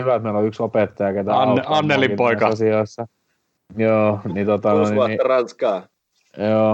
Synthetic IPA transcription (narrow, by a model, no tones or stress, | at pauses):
yʋæt̪meˑiloyksopet̪ːɑjɑket̪æɑɑnːelipoikɑɑsioˑisːɑ | joːnit̪ot̪ɑnoˑinɑirɑnskɑː | joː